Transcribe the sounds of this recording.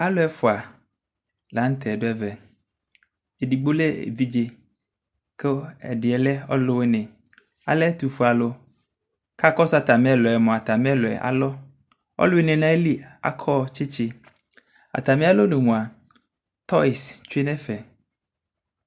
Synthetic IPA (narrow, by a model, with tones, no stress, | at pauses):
a˦lo˦ɛ˦fɔ˨a˨ | la˨˦n̩˦t̪ʰɛ˨do˦ɛ˦vɛ˨ | e˨di˨ɡ͡bo˦le˦ḛ˨vi˦d͡ʒe˦ | ke˦ɛ̰˨dɪ˨ɛ˨lɛ˦ɔ˦lo˦we˦nẽ˨ | a̰˨lɛ˦t̪u˨fu˨a˨lo˦ | ka˦kɔ˦sa˦t̪a˨mĩ˦ɛ˦lɔ˨ɛ˨mɔ̃˨a˨t̪a˨mĩ˦ɛ˦lɔ˨ɛ̰˨ʔa̰˨lɔ˦ | ɔ̰˦lo˦e˦nẽ˨nã˦e˦li˦a̰˨kʰɔ˦t͡ʃe˦t͡ʃe˦ | a̰˨t̪a˨mĩ˦a˦lo˦nẽ˨ŋũ˨a˨ | t̪ɔ˦i˨st͡ʃu˦e˦nɛ˦fɛ˨